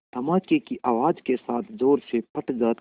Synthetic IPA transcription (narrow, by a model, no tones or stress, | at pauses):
t̪ɐmaːkekiʔaʋaːd͡ʒkesaːt̪ʰzoːɾsepɐʈzaːt̪